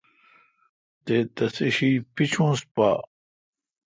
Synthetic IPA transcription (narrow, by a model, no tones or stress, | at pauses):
t̪eːt̪ɐsiɕiːpit͡ɕʰũːspa̰ː